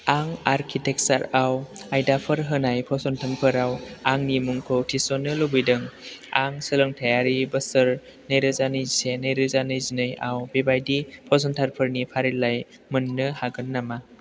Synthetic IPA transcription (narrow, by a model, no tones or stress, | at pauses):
aŋaɾkʰitek̚saɾawajdapʰɯɾɦɯnajpʰɔsɔntʰanpʰɯɾawaŋnimuŋkʰɯwtʰisɔnːɯlɯbɯjdɯŋaŋsɯlɯŋtʰajaɾibɯsɯɾ | nejɾɯzanɯjsenɯjɾɯzanɯjzinɯja̰wbebajdipʰɔs̬ɔntʰaɾpʰɯɾnipʰaɾilaj | mɯnːɯhaɡɯnːama